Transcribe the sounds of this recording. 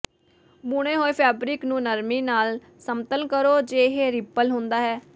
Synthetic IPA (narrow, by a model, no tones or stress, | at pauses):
bʊɽ̃ẽːɦoːiːpʰɛːbɾɪknũːnəɾmiːnaːl | səmt̪ənkəɾoːd͡ʒeːɦeːɾɪpːəlɦõːnd̪aːɦɛː